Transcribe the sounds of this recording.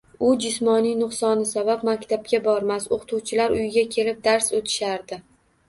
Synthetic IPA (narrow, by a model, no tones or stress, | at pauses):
ʊd͡ʒɪsmɒnɪjnʊqsɒnɪsabap̚makʲt̪ʰapkʲabɒɾmasoqʰt̪ʰuwt͡ʃʰɪlaɾʊjɪɡʲakʲʰe̞lɪp̚d̪aɾsot̪ʰɪ̥ʃaɾd̪ɪ